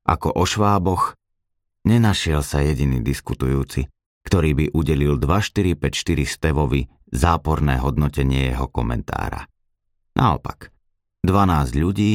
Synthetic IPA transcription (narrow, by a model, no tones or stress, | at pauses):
ʔa̰kɔʔɔʃʋaːbɔx | ɲɛnaʃɪɛlsajɛɟinḭːd̪iskut̪ujuːt͡si | kt̪ɔɾiːbiʔuɟɛlild̪ʋaʃt̪iɾipɛcʃt̪iɾist̪ɛʋɔʋi | zaːpɔɾnɛ̰ːɦɔd̪̚nɔcɛɲɪɛjɛɦɔkɔmɛ̰nt̪ʰa̰ːɾa̰ | nʔa̰ɔ̰pak | d̪ʋanaːzɟʎuɟiː